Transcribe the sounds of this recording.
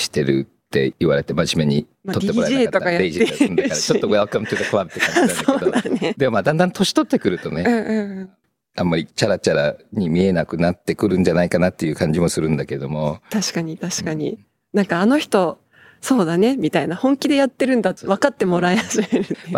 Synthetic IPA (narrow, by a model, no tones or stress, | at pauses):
ɕi̥t̪e̞ɾɯ̰t̪ːe̞̰iβaɾet̪e̞maʑime̞ɲ̟i | ot̪ːeɾaeiaat̪oakajaeiʑienkaɾat͡ɕooɡojaβakamot͡ɕot̪ːokaβaɾɯt̪ːekaɲsaoːonaned̪emomaːd̪ãnd̪ãnt̪o̞ɕi̥t̪o̞t̪ːe̞kɯ̟ɾɯ̟t̪o̞neɯ̟̃ːɯ̃ɯ̃ɴ | amːaɾʲit͡ɕaɾat͡ɕaɾa̰ɲ̟imʲie̞nakɯ̟nat̪ːe̞kɯ̟ɾɯ̟̃ɲ̟d͡ʑanaikanat̪ːe̞jɯ̟ːkãɲ̟d͡ʑimo̞sɨɾɯ̟̃nd̪ake̞ɾed̪o̞mo̞t̪aɕi̥kaɲ̟it̪aɕi̥kaɲ̟ḭ | nãŋkaːno̞çi̥t̪o̞ | so̞ːd̪ane̞mʲit̪ainahõ̞ŋkʲid̪e̞jat̪ːe̞ɾɯ̟̃nd̪at̪ːβ̞akat̪ːe̞mo̞ɾaehaʑime̞ɾɯ̟ːema